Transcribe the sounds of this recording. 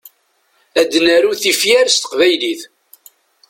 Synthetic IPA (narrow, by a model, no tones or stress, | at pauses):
æd̪ːnæɾuθifjæɾst̪ə̥qvæjliθ